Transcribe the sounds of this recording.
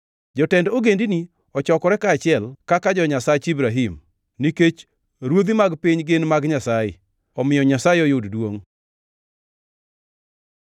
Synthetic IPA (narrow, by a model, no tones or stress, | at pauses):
d͡ʒɔtɛndoɡendini | ɔt͡ʃɔkɔɾɛkaːt͡ʃɪɛlkakad͡ʒɔɲasat͡ʃibɾaɦim | niket͡ʃ | ɾwod̪imaɡpiɲɡɪnmaɡɲasajɪ̰ | ɔmɪjɔɲasajɪɔjoddwoŋ